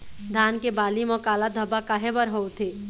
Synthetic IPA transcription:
d̪ʱaːnkebaːlimɔkaːlad̪ʱəbakaɦebəɾɦoːt̪ʰeː

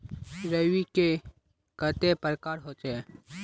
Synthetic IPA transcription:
ɾəwike | kət̪epəɾkaːɾɦoːt͡ʃəe

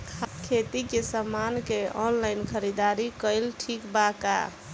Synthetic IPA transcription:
kʰakʰet̪ikesəmːankeɔnlaɪnkʰəɾid̪aɾikəɪlʈʰikbaka̰

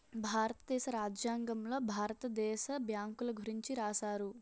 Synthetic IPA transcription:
bʱaːɾɐt̪ɐd̪ɛːʃɐɾaːd͡ʒjaːŋɡɐmlo̞ːbʱaːɾɐt̪ɐd̪ɛːʃɐbjaːŋkulɐɡʱuɾiɲt͡ʃiɾaːsaːɾu

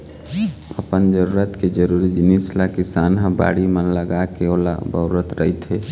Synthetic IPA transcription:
əpənd͡ʒəɾuːɾət̪ked͡ʒəɾuɾid͡ʒinislakɪsaːnɦə̃ba̰ːɽimənləɡakeola̰bəuɾət̪ɾəɦit̪ɦe

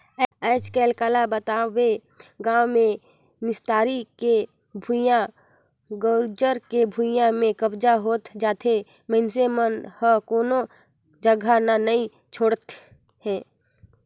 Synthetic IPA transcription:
ɛːt͡ʃkɛːlkaːlabət̪aːʋe | ɡãːwmẽ | mɪst̪aːɾike | bʱujã | ɡoːɾd͡ʒəɾkebʱujãmẽkəbd͡ʒaɦoːt̪d͡ʒaːt̪ʰe | mɛnsemənhəkoːno | d͡ʒəɡʱananəɐĩ | t͡ʃʰoːɽət̪ | ɦhɛ̃ː

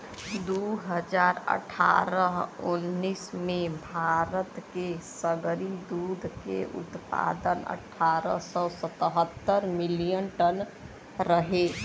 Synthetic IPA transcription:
d̪uɦəd͡ʒaːɾə̰ʈʰa̰ɾəɦunːismebʱaɾət̪kesəɡɾid̪ud̪ʱkḛʔṵt̪pa̰d̪ənə̰ʈʰːaɾəsɔsət̪əɦət̪ːəɾmilijənʈən | ɾəɦe

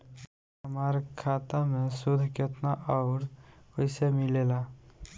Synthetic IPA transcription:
əmaɾkʰaːt̪amẽsud̪ʱket̪naʔɔʊɾoisemɪlela

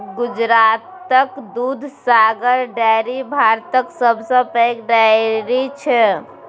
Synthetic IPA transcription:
ɡud͡ʒɾat̪əkd̪ud̪ʱsaɡəɾɖajɾibʱaɾt̪əksəbʱsə̃pəjkɖaɪɾit͡ʃʰɛ

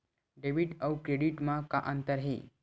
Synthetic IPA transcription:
ɖeʋiʈəwkɾeɽiʈmaka̰ʔənt̪əɾɦḛ

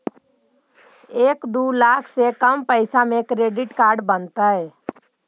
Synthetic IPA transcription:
eːkd̪ulaːkʰsekəmpəɪsamẽkɾeːɖɪʈkaːɾɖbənt̪aɦɛː

